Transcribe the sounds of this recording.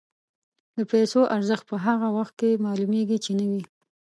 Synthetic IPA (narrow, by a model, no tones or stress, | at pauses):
d̪əpɛjsoʔaɾzəxt̪̚pəɦaɣawaxt̪̚kemɑlumeɡit͡ʃenəwi